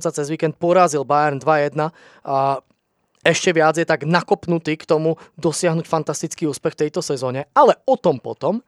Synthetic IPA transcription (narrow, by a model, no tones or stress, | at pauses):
nsat͡sɛzʋiːkɛnt̪̚pʊɔɾaːzilbajɛɾnd̪ʋajɛd̪na | ɛʃcɛʋɪad͡zjɛt̪aɡnakɔpnut̪iːkt̪ɔmud̪ɔsɪaɦnucfant̪ast̪it͡skiːuːspɛxft̪ɛjt̪ɔsɛzɔːɲɛalɛɔt̪ɔmpɔ̰t̪ɔm